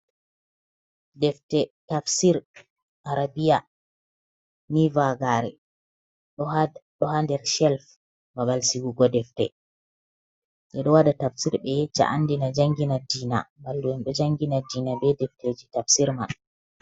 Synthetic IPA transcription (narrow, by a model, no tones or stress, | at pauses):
dɛftɛtafsiɾ | ʔaɾabija | nivaɡaɾɛ̰ | ɗɔhandɛɾʃɛlf | babalsiɡuɡɔdɛftɛ̰ | ʔɛɗɔwadatafsiɾbɛjɛt͡ʃːa̰ʔanːdinad͡ʒaŋɡinadiːna̰balduɛnɗɔd͡ʒaŋɡinadiːnabɛdɛfteːd͡ʒitafsiɾma̰n